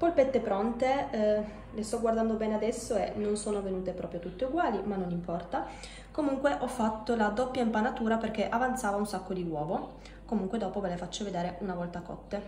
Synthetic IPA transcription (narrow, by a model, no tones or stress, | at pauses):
polpet̪ːepɾɔnt̪e | lest̪ɔɡward̪and̪obɛːnead̪ɛsːoenːonsoːnovenuːt̪epɾɔːpɾjot̪ut̪ːeuɡwaːlimanːonimpɔrt̪a | komuŋkweʔɔfːat̪ːolad̪opːjaimpanat̪uːɾaperkeʔavant̪saːvaunsakːod̪iwɔːvo | komuŋkwed̪ɔːpovelefat͡ʃːoved̪eːɾeunavɔlt̪akɔ̰t̪ːe